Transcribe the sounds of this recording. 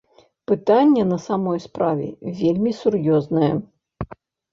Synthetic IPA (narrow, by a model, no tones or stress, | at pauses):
pɨt̪anʲːɛnɐsamɔjspɾavʲɛ̰vʲelʲmʲisurjɔznɐjɛ